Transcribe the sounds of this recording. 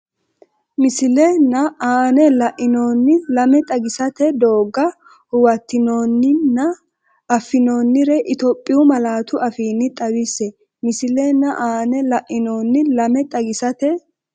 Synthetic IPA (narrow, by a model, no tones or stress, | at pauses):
mɪsɪlɛnːɐaːnɛlɐʔɪno̞ːnːɪlɐmɛt̪ʼɐɡɪsɐt̪ɛd̪o̞ːɡːɐ | hʊwɐt̪ːɪno̞ːnːɪnːɐ | ʔɐfːɪno̞ːnːɪɾɛʔɪt̪opʼːɪjʊmɐlaːt̪ʊɐfiːnːɪt̪ʼɐwɪsɛ | mɪsɪlɛnːɐʔaːnɛlɐʔɪno̞ːnːɪlɐmɛt̪ʼɐɡɪsɐt̪ɛ